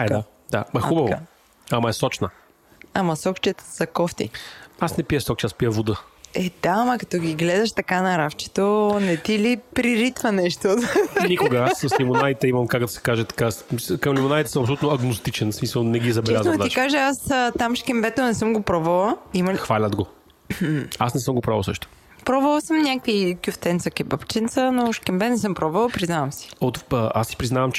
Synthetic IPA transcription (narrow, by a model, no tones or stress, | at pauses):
ɛd̪a | d̪a̰mɐubəvo | amɐɛsɔt͡ʃnə | amɐsɔkt͡ʃɛt̪z̥ɐkɔft̪ḭasnɛpijəsɔk̚t͡ʃɛaspiəvod̪əɛd̪̥aːmɐkɐt̪ɔɡʲiɡlɛd̪ɐʃt̪ɐkanɐɾaft͡ʃɛ̥t̪onɛt̪ilipɾiɾit̪vɐnɛʃt̪onikʊɡəasːɐslimʊnad̪it̪ɛimɐmkakd̪ɐsɛ̥kaʒɛt̪ɐ̥kasskɐmlimonait̪ɛsəmɐpsolut̪noɐɡnost̪it͡ʃɛnsmisəlˠnɛɡizɐbɛlʲaznoikaʒɛasət̪amʃkʲɛmbɛt̪onɛsɤmɡopɾɔbɐlˠəimɐxvalʲɐd̪ɡo | asnɛsəmɡopɾɔvɐ̰lˠsɤ̰ʃt̪o̥ | pɾɔbəlˠəsɤmnʲakvikʲjuft̪ɛnt̪səkɛbapt͡ʃɛnt̪sənoʃkʲɛmbɛnɛsɤmpɾɔbvɐlˠəpɾiznavɐmsi̥ot̪ːʔasːi̥pɾiznavɐmt͡ʃ